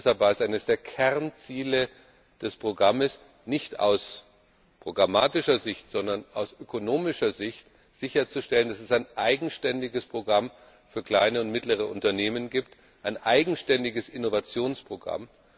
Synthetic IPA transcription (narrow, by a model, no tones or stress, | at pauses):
shalpvaːɐɛsʔaɪnəsd̥eːɐkʰɛʁnt͡siːlə | d̥ɛspʁ̥oɡʁaməs | nɪçta̰ʊs | pʁ̥oɡʁamaːtɪʃɐzɪçtz̥ɔndɐnʔaʊsʔøkʰonoːmɪʃɐzɪçt | z̥ɪçɐt͡suʃtɛləndasɛsaɪnʔaɪɡŋ̩ʃtɛndɪɡəspʁ̥oɡʁam | fyːɐkl̥aɪnəʊntmɪtləʁ̞əʔʊ̰ntɐneːmənɡiːp̚t | ʔaɪnʔaɪɡŋ̩ʃtɛndɪɡəsɪnovat͡sjoːnspʁ̥oɡʁa̰m